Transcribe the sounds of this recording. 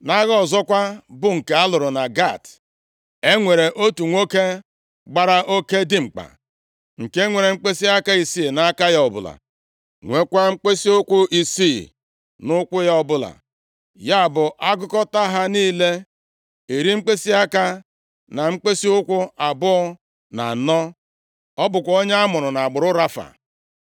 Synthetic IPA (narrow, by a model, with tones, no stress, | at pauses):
na˦ɣɔ˨zɔ˦kʷa˦bʊ˦ŋ̩˨ke˨a˦lʊ˨ɾʊ˨na˨ɡa˦˨t | e˦ŋʷe˨ɾe˨ʔo˦tu˨ŋʷo˦ke˦ | ɡ͡ba˦ɾa˦ʔo˦ke˦di˦ŋ͡m̩˨k͡pa̰˨ | ŋ̩˨ke˦ŋʷe˨ɾe˨ŋ͡m̩˦k͡pe˦si˦a˦ka˦i˨si˦˨na˦ka˦ja˦ɔ˨bʊ̰˨la̰˨ | ŋʷe˦kʷa˦ŋ͡m̩˦k͡pe˦si˦ʊ˦kʷʊ˦ʔi˨si˦˨ | nʊ˦kʷʊ˦ja˦ɔ˦bʊ˦la̰˨ | ja˦a˨bʊ˨ʔa˦ɡʊ˦kɔ˦ta˦ɦa˦niː˦le˦ | e˨ɾi˦ŋ͡m̩˦k͡pe˦si˦a˦ka˦ | na˨ŋ͡m̩˦k͡pe˦si˦ʊ˦kʷʊ˦a˨bʊ˦ɔ˦ | na̰˨nɔ˦ | ɔ˦bʊ˨kʷo˦ɲ˦a˦mʊ˨ɾʊ˨na˨a˨ɡ͡bʊ˨ɾʊ˦ɾa˦fa̰˨